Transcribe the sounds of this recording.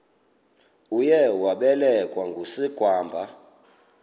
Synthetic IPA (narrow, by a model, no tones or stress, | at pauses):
ujɛwaɓɛlɛkʼwaŋɡʱusiɡ̥ʱwaːmbʱa